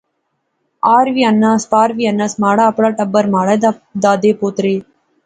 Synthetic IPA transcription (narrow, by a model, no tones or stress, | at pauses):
aːɾʋiɐnːaːspaːɾʋiːɐnːasmaːɽaːɐpɽaːʈɐbːɐɾmaːɽɐd̪aːd̪eːpoːt̪ɾeː